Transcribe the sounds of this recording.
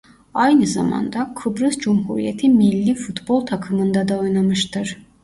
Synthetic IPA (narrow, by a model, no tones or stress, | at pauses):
ajnɯza̰ma̰nd̪akʰɯbɾɯzd͡ʒumɦuɾḭjet̪ʰimilʲːifut̪bolˠt̪ʰakʰɯmɯnd̪ad̪aojnamɯʃt̪ʰɯɾ̥